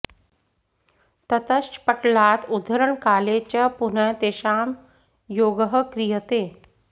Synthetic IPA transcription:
t̪ət̪əʃpəʈlaːt̪ud̪ʱəɾəɳkaːlet͡ɕəpunəjt̪eːʃaːm | joːɡəɦəkɾijət̪eː

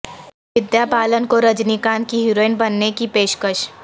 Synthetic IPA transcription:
ʋɪd̪jaːpaːlənkoɾəd͡ʒnikaːnkiɦiɾoːɪnbɐnːekipeːʃkəʃ

